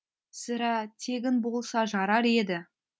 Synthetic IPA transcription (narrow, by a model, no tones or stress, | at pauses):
sɪɾɑt̪ʰe̞ɡʲɪnbo̞lˠsɑʒɑɾɑɾe̞d̪ɪ